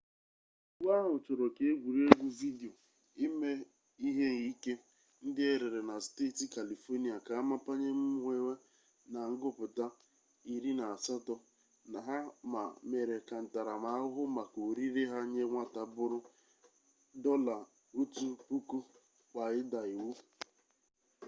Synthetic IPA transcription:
wʷa˦ɦʊ˨t͡ʃo˨ɾo˨ke˨e˦ɡʷu˨ɾe˦ɡʷu˦vi˦di˨o˨ | ɪ˦me˦ | i˦ɦe˦n˨i˦ke˦ | n̩˦dɪ˦e˦ɾe˨ɾe˨na˨ste˦˨ti˨ka˨li˨fo˦ni˦a˨ka˨a˦ma˦pa˦ɲe˦m̩˦ŋʷe˦we˦ | na˨ŋ̩˦ɡʊ˦pʊ˨ta˦ | i˨ɾi˦na˨a˨sa˦tɔ˦ | na˨ɦa˦ma̰˨me˨ɾe˨ka˨n̩˨ta˨ɾa˨ma˨˦ʊ˦ɦʊ˦ma˨ko˨ɾi˦ɾɪ˦ɦa˦ɲe˦ŋʷa˦ta˨bʊ˦ɾʊ˦ | dɔ˦la˨ | u˦tu˦pu˦ku˦ | kʷa˨ɪ˦da˨i˨wu˦

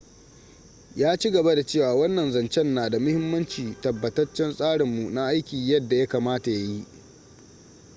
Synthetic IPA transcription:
jaː˦t͡ʃi˦ɡɐ˨ba˦da˨t͡ʃeː˦˨waː˨wɐ˦nːɐ˨nzɐ˨nt͡ʃɛ˦nːaː˨da˨mʊ˦hɪ˦mːɐ˦nt͡ʃiː˨tɐ˨bːɐ˨tɐ˦t͡ʃːɛ˦nsʼaː˦ɽɪ˨mːu˨na˦ʔa˦jkʲiː˨jɐ˦dːa˨ja˦kaː˨maː˦ta˨ja˦ji˦ʔ

